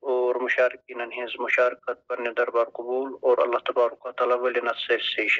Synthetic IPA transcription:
oːɾmʊʃaːɾikinɐnɦĩːzmʊʃaːɾkɐt̪̚pɐɾned̪ɐɾbaːɾqʊbuːloːɾɐ̰lːaht̪ɐbaːɾukat̪aːlaːʋɐlenɐt̪selseʃ

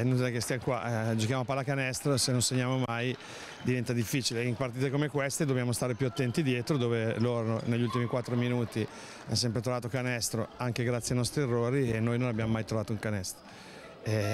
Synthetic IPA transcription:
noɛkest̪jamkwa̰d͡ʒok̟jamoapalakanɛst̪ɾosenonseɲːaːmomaj | d̪ivɛnt̪ad̪ifːiːt͡ʃileimpaɾrt̪̬iːt̪ekomekwest̪ed̪objamost̪aɾepjuat̪ːɛnt̪id̪jeːt̪ɾod̪oːveloɾnoneʎːult̪imikwat̪ːɾominuːt̪i | as̬ɛmpɾet̪ɾovaːt̪okanɛst̪ɾoaŋk̟eɡɾat̪sjajnɔst̪ɾierːoːɾienːoːjnõnabjamomajt̪ɾovaːt̪ouŋkanɛst̪ɾo | ɛ

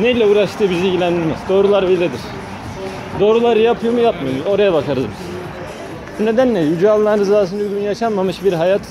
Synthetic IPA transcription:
neilʲɛuːɾaʃt̪ʰɯːbizilʲɟilʲænd̪iɾmiz̥d̪o̞ːɾulˠaɾbilʲed̪iɾ̥ | d̪o̞ːɾulˠaɾɯjapʰɯjomujapmajomuzo̞ɾajabakaɾɯzmɯz̥ | bune̞d̪ænlʲɛjyd͡ʒaːlˠːanɾɯzaːs̬ɯnyɡʲynjaʃanmamɯʃbiɾɦajat̪ʰ

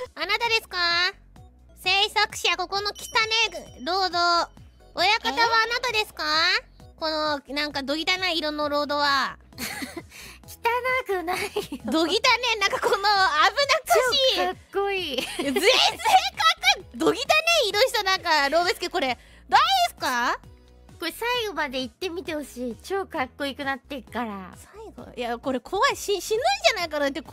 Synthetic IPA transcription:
anat̪ad̪e̞sɨ̥ka | se̞ːsakɯ̟̥ɕiako̞ko̞no̞kʲi̥t̪aneɾo̞ːd̪o̞ | ojakat̪aβaːnat̪ad̪e̞sɨ̥ka | ko̞nonãŋkad̪o̞ɡʲit̪anaiɾõ̞nːoɾo̞ːd̪o̞βa | kʲi̥t̪anakɯnaid̪o̞ɡʲit̪anenãŋkakonoabɯ̟nakɯiakːoiːzezekakɯd̪o̞ɡʲit̪aneid̪oɕi̥t̪onãŋkaɾoːbesɨ̥keko̞ɾe̞ | d̪aid̪esɨ̥ka | koɾesaiɡo̞mad̪e̞it̪ːe̞mʲit̪e̞hoɕiːt͡ɕo̞ːkakːo̞ikɯ̟nat̪ːekaɾasaiɡo̰jako̞ɾe̞kʰo̞βaɕiɕinɯid͡ʑanaikanat̪ːek

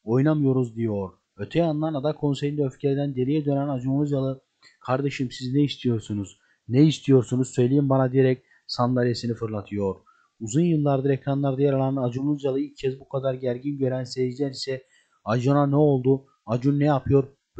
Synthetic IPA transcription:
o̞jnamɯjo̞ɾuzd̪ijo̞ɾ | øt̪ʰɛjanlˠaɾnad̪akʰo̞nsejind̪øfcʰeɾid̪ænd̪e̞lʲijɛd̪ø̞nænad͡ʒunˠuzjalˠɯ | kʰaɾd̪e̞ʃɯmsiznɛist̪ʰijo̞ɾsunuz̥ | neist̪ʰijo̞ɾsunuzsø̞jlʲejimbanad̪ijeɾɛc̚ | sand̪aɾjesinifɯɾlˠat̪ʰɯjo̞ɾ̥ | uzunjɯlˠːaɾd̪ɯɾecɾanlˠaɾd̪ajaɾalˠanad͡ʒunuzjalˠɯilʲcʰːɛzbukʰad̪aɾɟæɾɟinɟø̞ɾænseid͡ʒlʲæɾisɛ | ad͡ʒonanɛo̞lˠd̪u | ad͡ʒunːɛjapʰɯjo̞ɾ

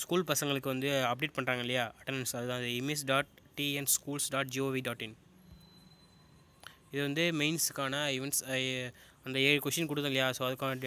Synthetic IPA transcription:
skuːlpɐsɐŋɡɐɭɯkːɯʋɐnd̪ɯɐp̚ɖeːʈ̚pɐɳɾaːŋɡɐɪlːɐjaːʔɐʈːɐnnsɐðɯt̪ãːɐðɯɛmes̬ɖaːʈ̚ʈiːɛnskuːlsɖaːʈ̚d͡ʒiːoːʋiɖaːʈːɪn | ɪðɯʋɐnd̪ɯmeɪnskːaːnɐɪʋɐns | ɐnd̪ɐeːɻɯkʋɛʂʈːɐnkʊɽɯt̪ːɯ̃ŋlɐjaːsoːɐðɯkːaːnɐ

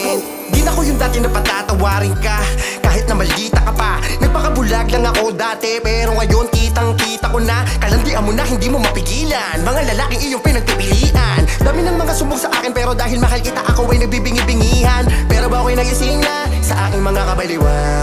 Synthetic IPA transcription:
d̪ɪnɐko̞jʊŋd̪aːt̪ɪnɐpɐt̪aːt̪ɐwaːɾɪŋkakaːhɪt̪̚nɐmɐlːiːt̪ɐkɐpanɐɡ̚pɐkɐbʊlaɡlɐŋɐko̞d̪aːt̪ɛpɛɾo̞ŋɐjo̞nkiːt̪ɐŋkiːt̪ɐko̞nɐkɐlɐnd̪ɪʔɐmonɐhɪnd̪iːmo̞mɐpɪɡiːlɐnmɐŋalɐlaːkɪŋʔɪjoŋpɪnɐɡ̚pɪpɪliːʔɐnd̪ɐmɪnɐŋmɐŋasʊbʊɡsɐʔa̰ːkɪnpɛːɾo̞d̪aːɦɪlmɐɦalkɪt̪aʔɐkowɐjnɐɡ̚bibɪŋibɪŋiːhɐnpɛːɾo̞bɐʔkɐjnɐɡɪsinɐ | sɐʔaːkɪŋmɐŋakɐbɐlɪwa

